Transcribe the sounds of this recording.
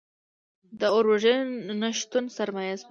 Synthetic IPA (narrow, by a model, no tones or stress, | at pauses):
d̪əoɾaʒenaʃt̪unsaɾmajaz